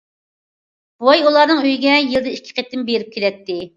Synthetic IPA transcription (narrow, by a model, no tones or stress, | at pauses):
wojulˠɑɾnɨŋøjɡʲɛjɨlˠd̪ɛikʲʰːi̥qʰet̪ːɪmbeɾɪp̚kʲʰelɛt̪ːɪ